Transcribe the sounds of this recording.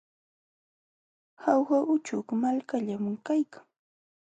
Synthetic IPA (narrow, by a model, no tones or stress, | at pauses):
hawxaʔʊt͡ʃʊkmalkaʎamʊŋkajkḁŋ